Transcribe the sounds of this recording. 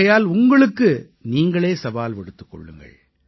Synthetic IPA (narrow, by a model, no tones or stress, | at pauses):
ɐjaːlʊŋɡɐɭɯkːɯ | niːŋɡɐɭeːsɐʋaːlʋɪɽɯt̪ːɯ̥kːɔ̰ɭːɯ̰ŋɡɐ̰ɭ